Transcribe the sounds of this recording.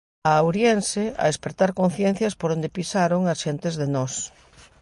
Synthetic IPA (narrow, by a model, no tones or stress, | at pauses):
awɾjenseɐ̰espɾet̪aɾkon̟θjen̟θjɐspoɾond̪episaɾoŋasʃent̪ezðenɔs